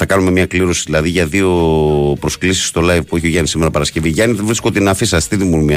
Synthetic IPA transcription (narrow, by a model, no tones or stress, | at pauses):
θɐkɐnume̞mɲɐkliɾo̞siðilɐðiʝɐðio̞pɾo̞sklisi̥sːt̪o̞lɐjivpueçioʝɐnisimeɾɐpɐɾɐsce̞viʝɐniðevɾiskot̪enɐfisɐst̪iðimulmiɐ